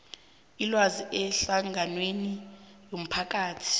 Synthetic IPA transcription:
ilwaziʔɛɬaŋanwenijom̩pʰak̬ʼaːtʰi̥

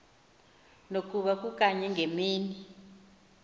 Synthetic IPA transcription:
nok̬ʼuɓak̬ʼuk̬ʼaɲɛŋʱemiːni

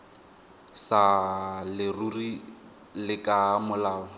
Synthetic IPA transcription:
salɪruri | lɪkamʊlaːɔ

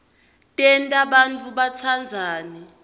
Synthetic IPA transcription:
tʼɛntʼaɓant͡fʰuɓat͡sʰand͡zʱaːnɛ

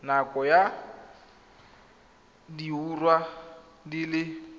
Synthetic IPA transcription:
nakʼɔja | diurwa | dilɪ

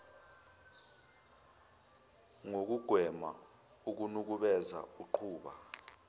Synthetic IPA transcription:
ŋok̬uɡ̥ʱwɛma̰ | uk̬unuk̬uɓɛza̰uǃʰuːɓa

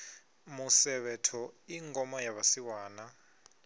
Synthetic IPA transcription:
musɛβɛtʰɔiŋɡɔmɔjaβasiwaːna

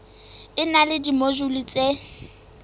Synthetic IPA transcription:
ɪnalɪdimoʒulit͡sʼe

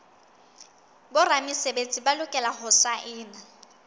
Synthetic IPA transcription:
bʊramɪsebet͡sʼibalʊkʼɛlahʊsaʔɪːna

